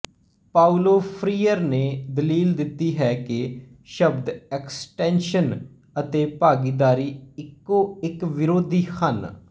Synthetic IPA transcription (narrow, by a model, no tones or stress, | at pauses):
paːuloːpʰɾiːəɾneːd̪əliːld̪ɪt̪ːiːɦɛːkɪ | ʃəbd̪ɛksʈɛ̃ːnʃən | ət̪eːpaːɡiːd̪aːɾiːɪkːoːɪkʋɪɾoːd̪iːxʰən